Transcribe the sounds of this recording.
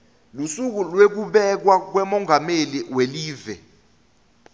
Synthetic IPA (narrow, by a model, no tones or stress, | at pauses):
lusuk̬ulwek̬uɓɛk̬wak̬wɛmɔŋʱameliweliːvɛ